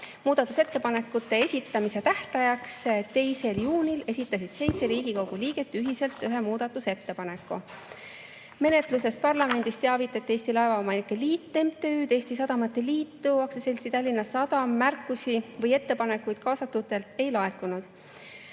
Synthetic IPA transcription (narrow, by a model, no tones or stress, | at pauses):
muːd̪̥ɑt̪ːˑuse̞t̪ːe̞pɑne̞kːut̪ːe̞e̞sʲit̪ːˑɑmise̞t̪æht̪ɑjɑkst̪e̞jse̞ljuːnʲile̞sʲit̪ːˑɑsid̪̥se̞jt̪se̞ɾiːɡ̥iko̞wɡ̥uliːɡ̥e̞t̪ːˑyɦise̞lt̪ˑːyɦe̞muːd̪ɑt̪ːˑuse̞t̪ːe̞pɑne̞kːu | me̞ne̞t̪luse̞s̚pɑrlɑme̞nd̪̥ist̪e̞ɑvit̪ːˑet̪ːe̞ːsʲt̪ilɑe̞vɑo̞mɑnikːˑeliːt̪ˑːe̞mt̪eyːd̪e̞ːsʲt̪isɑd̪̥ɑmɑt̪ːe̞liːt̪ːuɑksese̞lsit̪ɑlʲːinːɑsɑd̪̥ɑmːærkːˑusivɤje̞t̪ːe̞pɑne̞kːujd̪̥kɑːsɑt̪ːˑud̪e̞lt̪e̞jlɑekːˑunud̪̥